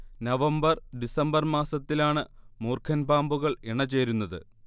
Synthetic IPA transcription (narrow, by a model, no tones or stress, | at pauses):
nɐʋɐmbɐrɖisɐmbɐrmaːsɐt̪ːilaːɳɨmoːrkʰɐnbaːmbuɣɐɭeɳɐt͡ɕe̞ːɾunːɐðɨ̰